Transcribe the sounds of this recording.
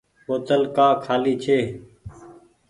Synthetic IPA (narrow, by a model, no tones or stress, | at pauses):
boːt̪əlkaːkʰaːliːt͡ʃʰeː